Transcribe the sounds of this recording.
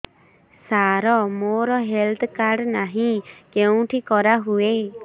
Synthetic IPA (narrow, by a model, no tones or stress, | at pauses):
saɾɔmoɾɔɦelt̪ʰkaɾɖnaɦĩkeũʈʰikɔɾaɦue